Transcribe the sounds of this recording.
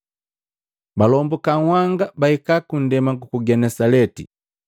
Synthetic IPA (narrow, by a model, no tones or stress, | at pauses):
balɔmbukawaŋɡabaikakun̩dɛmaŋɡukuɡɛnɛsalɛtḭ